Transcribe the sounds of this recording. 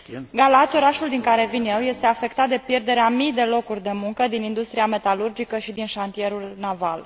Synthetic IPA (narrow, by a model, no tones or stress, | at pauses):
ɡalat̪sʲo̞ɾaʃuld̪iŋkaɾe̞vinje̞wje̞st̪e̞afe̞kt̪at̪̚d̪e̞pje̞rd̪e̞ɾeamijd̪e̞lo̞kurʲd̪e̞muŋkəd̪inind̪ust̪ɾiame̞t̪alurd͡ʒikəʃid̪inʃant̪ije̞ɾulnaval